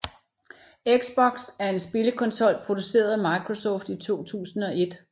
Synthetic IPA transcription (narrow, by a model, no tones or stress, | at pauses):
eɡ̥sb̥ɒ̽ɡ̥sæɐe̝nsb̥e̝ləkʰɒ̽nsɒ̽l̰pʰʁo̝d̥use̝̰ːɐð̩ˠæmɑ̈ɪkʰʁo̝sɒ̰ːfd̥it͡sʰo̝̰ːt͡sʰṵːsn̩ɒ̽ʔe̝d̥